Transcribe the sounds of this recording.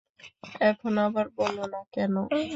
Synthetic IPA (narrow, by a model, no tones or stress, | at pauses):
ɛkʰonabaɾbolonakɛno